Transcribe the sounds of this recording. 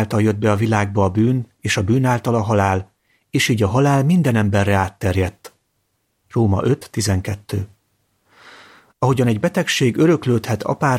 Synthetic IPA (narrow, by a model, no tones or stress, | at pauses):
lt̪ɒljød̪̚bɛɒvilaːɡ̚bɒːbyːn | eːʃɒbyːnaːlt̪ɒlɒɦɒlaːl | eːʃiːɟɒɦɒlaːlmind̪ɛnɛmbɛrːɛaːt̪ːɛrjɛt̪ː | roːmɒ̰ʔø̞t̪ːizɛŋkɛt̪ːøː | ɒɦo̞ɟɒnɛɟbɛt̪ɛkʃeːɡøɾø̞kløːt̪hɛt̪ʰɒ̰paːr